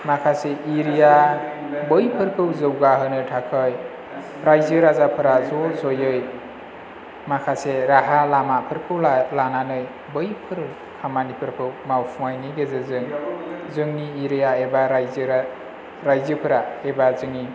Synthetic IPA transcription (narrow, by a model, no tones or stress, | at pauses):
makʰaseiɾija | bɯjpʰɯɾkʰɯwzɯwɡaɦɯnɯtʰakʰɯj | ɾajzɯɾazapʰɯɾazɔzojɯj | makʰaseɾaɦalamapʰɯɾkʰɯwlananɯj | bɯjpʰɯɾ | kʰamanipʰɯɾkʰɯwmawpʰumajniɡezɯzɯŋzɯŋniːɾijaebaɾjz | ɾajzɯpʰɯɾaebazɯŋi